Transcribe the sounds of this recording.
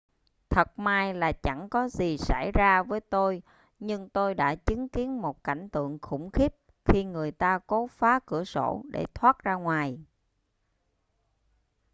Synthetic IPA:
t̪ʰə˨˩t̚maː˧jlaː˨˩t͡ɕa˧˩ŋkɔ˨˦zi˨˩sa̰˧˩jzaː˧vəː˨˦jt̪o˧j | ɲɨ˧ŋt̪o˧jɗa̰ː˧˥t͡ɕɨ˨˦ŋki˨˦ənmo˨˩t̚ka˧˩jŋ̟t̪ɨ̰˧˨əŋxʊ̰˧˩ŋ͡mxi˦˥p̚ | xi˧ŋɨ˨˩əjt̪aː˧ko˨˦faː˨˦kɨ˧˩əso̰˧˩˥ɗḛ˧˩t̪ʰwaː˦˥t̚zaː˧ŋwaː˨˩j

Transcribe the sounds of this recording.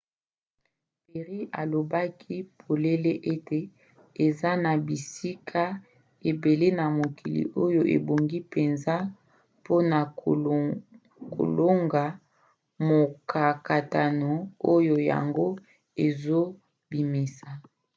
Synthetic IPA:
pe˨ʁi˦ʔa˨lo˨ba˦kʰi˦pʰo˨le˦le˦ʔe˦te˨ | e˨za˦na˨bi˨si˦kʰa˦ | e˨be˨le˦na˨mo˨ki˨lḭ˨ʔo˦jo˨ʔḛ˨bo˨ŋɡi˦pe˨nza˦ | po˦na˨ | ko̰˨lo˦ŋɡa˨ | mo˨ka˨ka˨ta˨no˨o˦jo˨ja̰˨ŋɡo˦ | e˨zo˦ | bi˨mi˨sa˨

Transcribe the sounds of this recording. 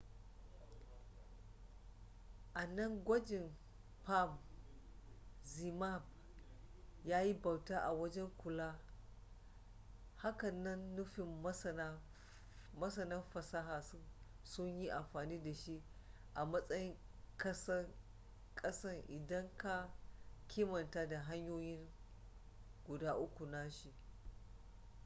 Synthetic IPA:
ʔa˨nɐ˦ŋɡʷɐ˦d͡ʒɪ˨n | pa˦m | zi˨ma˦˨b̚ | jaː˦ji˦ba˨wtaː˦ʔa˨wɐ˦d͡ʒɛ˦ŋkʷʊ˨laː˦ | ha˦kɐ˨nːɐ˦nːʊ˦ɸɪ˨m˦sɐ˦na˦ | mɐ˦sɐ˨nɐ˦mɸɐ˨sa˦ɦaː˨s | sʊ˦ɲji˦ʔa˨mɸaː˨niː˦da˨ʃi˦ʔ | ʔa˨mɐ˦sʼɐ˦jɪ˦ŋ | kɐ˦sɐ˦ | kʼɐ˦sɐ˦ŋʔɪ˨dɐ˦ŋka˦kʲʰɪː˦mɐ˨ntaː˦da˨ɦa˦ɲjoː˦jɪ˦ŋ | ɡʷʊ˨daː˦ʔʊ˦kʷu˨na˦ʃi˦ʔ

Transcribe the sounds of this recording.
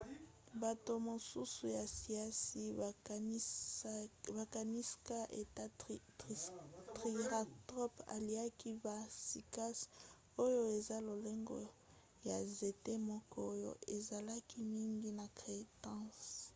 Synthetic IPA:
ba˨to˨mo˨su˦su˨ja˨si˨a˦si˨˦ | ba˨ka˨ni˦ska˦ʔe˨t | tʁi˨ʁa˨tʁɔ˦pa̰˨li˨a˦ki˦ba˨si˨ka˦s | o˦jo˦e˨za˦lo˨le˦ŋɡɔ̰˦ | ja˨ze˨te˦mɔ˦kɔ˦o˦jo̰˦e˨za˨la˦ki˦mi˦ŋɡi˦na˨kʁe˨tã˦s

